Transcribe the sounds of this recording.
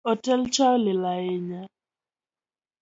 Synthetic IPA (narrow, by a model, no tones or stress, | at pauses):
ɔtɛlt͡ʃalɪlajeɲa